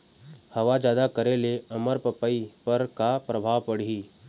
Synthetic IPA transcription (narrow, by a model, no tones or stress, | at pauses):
hɐʋad͡ʒjaːd̪akəɾeleɐməɾpɐpəipɐɾkapɾəbʱaːʋpɐɽ̤ii